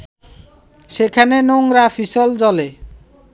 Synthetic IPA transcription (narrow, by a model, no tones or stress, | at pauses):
ʃekʰanenoŋɾafiʃold͡ʑɔle